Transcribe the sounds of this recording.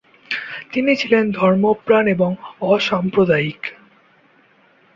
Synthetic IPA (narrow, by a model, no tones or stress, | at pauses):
t̪init͡ɕʰilend̪ʱɔɾmopɾaneboŋɔʃampɾod̪aik